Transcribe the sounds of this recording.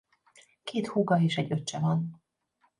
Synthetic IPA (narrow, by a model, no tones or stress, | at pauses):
keːt̪huɡɒeːʃɛɟːøt͡ʃːɛvɒn